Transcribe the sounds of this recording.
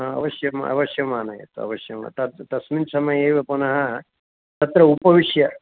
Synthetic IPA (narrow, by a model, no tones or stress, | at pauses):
ɦãɐ̰ʋɐʃjɐmɐ̰ʋɐʃjɐmaːnɐjḛːt̪uɐ̰ʋɐʃjɐma̰t̪ɐt̪t̪ɐsminsɐmɐjeːʋeponɐɦɐ | t̪ɐt̪ɾɐupɐʋiʂjɐ